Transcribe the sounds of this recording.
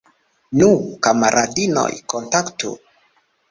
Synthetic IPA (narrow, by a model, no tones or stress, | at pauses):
nukamaɾʔadino̰jkontaktṵ